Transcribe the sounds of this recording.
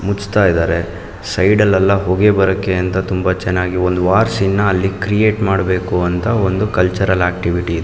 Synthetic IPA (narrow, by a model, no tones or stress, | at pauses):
mut͡ʃt̪aːjd̪aːɾe̞ | sɐjɖɐlːɐlːɐɦoːɡebɐɾɐkːeɐnt̪ɐt̪umbɐt͡ʃɛnːaːɡiond̪uʋaːɾsinːɐːlːikɾije̞ːʈmaːɽbe̞ːkuɐnt̪ɐo̞nd̪ukɐlt͡ʃɐɾɐlaːk̚ʈiʋiʈiːd̪e